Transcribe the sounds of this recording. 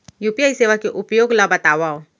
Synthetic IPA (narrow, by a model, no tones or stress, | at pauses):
jupijaːiseːʋakeʔʊpjoːɡlabɐt̪aːʋaːo